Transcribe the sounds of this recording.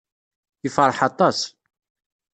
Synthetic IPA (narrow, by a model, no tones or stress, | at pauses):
ifəɾˤħɑt̪ˤɑs